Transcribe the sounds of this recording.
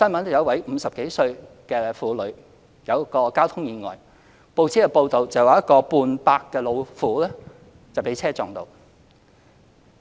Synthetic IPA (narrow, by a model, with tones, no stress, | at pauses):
sɐ˥nmɐ˨˥n˨˩jɐ˨˥wɐ˨˥jm̩˨˧sɐ˨p̚ke˨˥jsɵ˧ɥ | kɛː˧fuː˨˥lɵ˨˧˥ɥ | jɐ˨˧wkɔː˧kaː˥wt̪ʰʊ˥ŋjiː˨˧ŋɔ̰ː˨˩j | po˧wt͡sʰiː˨˥kɛ˧po˧wt̪o˨wt͡sɐ˨wa˨˦jɐ˥t̚kɔː˧puː˧npaː˧kːɛː˧lo˨˧wfuː˨˥lɛː˥ | t͡sɐ˨wpe˨˥jt͡sʰɛː˥t͡sɔː˨ŋt̪o̰˨w